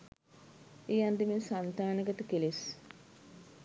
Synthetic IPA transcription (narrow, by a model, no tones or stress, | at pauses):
eːand̪iminsant̪aːnəɡət̪əkelis